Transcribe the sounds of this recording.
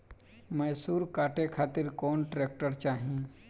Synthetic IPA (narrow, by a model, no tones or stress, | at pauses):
məjsuːɾkaːʈekʰaːt̪ɪɾkɔːnʈɾeːk̚ʈəɾt͡ʃaːɦĩ